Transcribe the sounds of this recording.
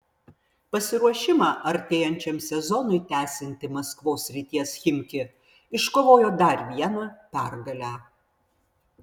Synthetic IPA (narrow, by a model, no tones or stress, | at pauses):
pɐsʲɪɾuɔʃʲɪmɑːʔɐɾʲt̪ʲɛːjɛnʲt͡ʃʲɛmsʲɛzɔnʊɪt̪ʲæːsʲɪnʲt̪ʲɪmɐskʋoːsʲɾʲɪt̪ʲiɛsxʲɪmʲkʲɪ | ɪʃkoːʋoːjoːd̪ɐˑɾʲʋʲiɛnɐpʲæɾɡɐlʲæː